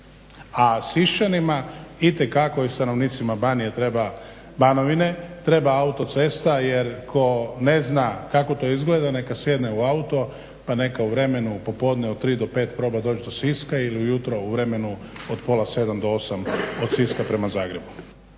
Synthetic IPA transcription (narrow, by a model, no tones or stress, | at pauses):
asiʃt͡ʃanimait̪ekakoist̪ano̞ʋniːt̪simabanijet̪ɾeba | banoʋine̞t̪ɾe̞baaut̪o̞t̪se̞st̪ajeɾkʰo̞ne̞znakako̞t̪o̞izɡled̪ane̞kasjed̪neuaut̪o̞ | pane̞kauʋɾe̞me̞nupo̞po̞d̪neot̪t̪ːɾiːd̪ope̞ːt̪pɾo̞bad̪o̞ːd͡ʒd̪o̞siskailiujut̪ɾo̞uʋɾe̞me̞nuod̪po̞lˠase̞d̪amd̪oo̞samod̪siskapɾe̞mazaːɡɾe̞bu